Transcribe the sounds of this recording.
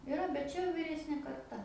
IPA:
ɪˈrɐ bʲɛt ˈt͡ʃʲɛ jɛʊ ʋʲiːˈrʲæːsʲnʲeː kɐrˈtɐ

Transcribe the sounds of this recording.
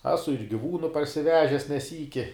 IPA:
ˈæːsʊ ɪr ɡʲɪˈʋuːnʊ pɐrʲsʲɪˈʋʲæːʒʲɛs nʲɛ ˈsʲiːkʲɪ

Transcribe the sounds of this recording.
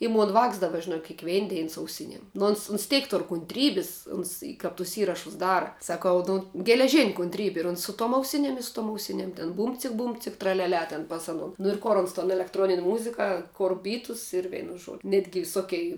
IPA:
ɪ ˈmoːn ˈʋɑːks ˈdɑːbɐ ʒʲɪˈnoːk kʲeːkˈʋʲɛɪn ˈdʲɛɪn sʊ ɐʊˈsʲɪnʲiɛm nʊ ˈoːns ʊns ˈtʲɛɪk ˈtʊr kʊnʲtʲˈrʲiːbʲɪs ˈʊns ɪ kɐp tʊs ˈiːrɐʃʊs ˈdɑːrɐ sɐˈkɐʊ ˈnʊ ɡʲɛlʲɛˈʒʲɪnʲ kʊnʲtʲˈrʲiːbʲɪ ɪr ˈʊns sʊ tuɔm ɐʊˈsʲɪnʲiɛm ɪ sʊ tuɔm ɐʊˈsʲɪnʲiɛm tʲɪn ˈbuːmʲt͡sʲɪk ˈbuːmʲt͡sʲɪk trɐlʲɛˈlʲɛ tʲɛn ˈpɐs ɐnoː nʊ ɪr ˈkoːr oːns toːn ɛlʲɛktˈroːnʲɪnʲ ˈmʊzʲɪkɐ ˈkoːr ˈbʲiːtʊs ɪr ˈʋʲɛɪnʊ ˈʒuɔdʲʊ ˈnʲæːdʲɡʲɪ ʋʲɪˈsoːkʲɛɪ

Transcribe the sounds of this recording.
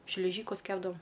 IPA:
ʃʲlʲɪˈʒʲiːkʊs ˈkʲæːbdɐʋoːm

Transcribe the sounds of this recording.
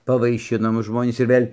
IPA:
pɐʋɐɪˈʃʲɪnoː ˈmʊs ˈʒmoːnʲiːs ɪr ˈʋʲeːlʲ

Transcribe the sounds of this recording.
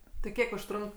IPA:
tʲɪ ˈkʲiɛk ʊʃˈtrʊŋk

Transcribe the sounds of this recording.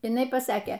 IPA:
ɪˈnɐɪ pɐˈsɑːkʲeː

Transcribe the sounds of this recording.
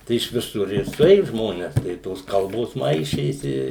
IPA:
ˈtɐɪ ɪʃ ʋʲɪˈsʊr ɪr sʊˈeːjʊ ˈʒmoːnʲɛs tɐɪ ɪ ˈtoːs ˈkɐlˠboːs ˈmɐɪʃʲeːsʲɪ ɪ

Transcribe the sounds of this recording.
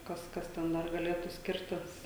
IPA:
ˈkɐs ˈkɐs tʲɛn ˈdɐr ɡɐˈlʲeːtuː ˈsʲkʲɪrʲtʲɪs

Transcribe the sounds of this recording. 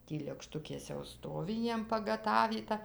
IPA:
ˈtʲiː lʲeːkˈʃtʊkʲeːs jɛʊ ˈstoːʋʲɪ ˈjiɛm pɐɡɐˈtɑːʋʲiːtɐ

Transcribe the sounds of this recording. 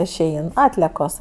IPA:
ɪʃʲˈɛɪn ˈɑːtʲlʲiɛkoːs

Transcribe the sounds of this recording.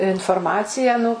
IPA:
ɪnfoːrˈmɑːt͡sʲɪjæː nʊ

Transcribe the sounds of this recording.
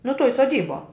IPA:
nʊ tuɔj soːˈdʲiːbuɔ

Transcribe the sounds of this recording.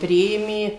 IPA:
ˈpʲrʲɪeːmʲeː

